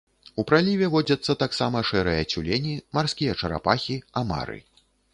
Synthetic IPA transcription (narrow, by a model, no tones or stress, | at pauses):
upɾalʲivʲɛvɔd͡zʲɐt̪sːɐt̪aksamɐʂɛɾɨjɐt͡sʲulʲenʲimarskʲijɐt͡ʂɐɾa̰paxʲiama̰ɾɨ̰